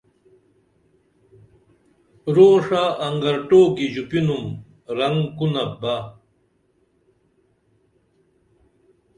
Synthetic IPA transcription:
ɾoːʂaʔːŋɡɐɾʈoːkid͡ʑupinum | ɾɐŋkunɐba

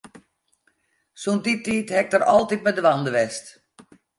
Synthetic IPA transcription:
sunditiːthɛk̚dəɾɔ̰lˠtit̚mɛdəʋandəʋɛst

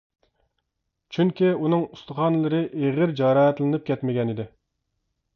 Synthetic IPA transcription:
t͡ʃʰyŋkʲiunɨŋust̪əχɑnlˠɨɾɨʔeʁɪɾd͡ʒɑɾɑɦɛt̪lˠɨnɨp̚kʲɛt̪mɪɡʲɛnid̪ɪ

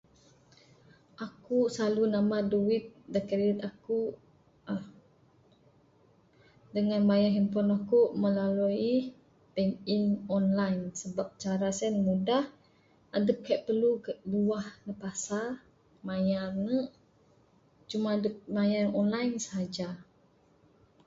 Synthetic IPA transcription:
ʔakusalunamaduwit̪̚dəkəɾit̪aku | dəŋanmajaɦimpɔnɔkuʔməlalui | pɛŋinɔnlajnsəbap̚t͡ʃaɾasɛnmudah | adəp̚kajʔpərlukəʔluwahnəpasa | majarnəʔ | t͡ʃumadəp̚majarɔnlajnsəɦad͡ʒa

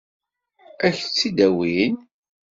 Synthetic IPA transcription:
æçt͡sːid̪æwin

